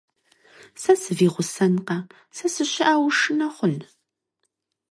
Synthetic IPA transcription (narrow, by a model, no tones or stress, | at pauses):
sɐsɨviːʁʷʊsɐnqɐ | sɐsɨɕɪʔaːwʂɨnɐχʷʊn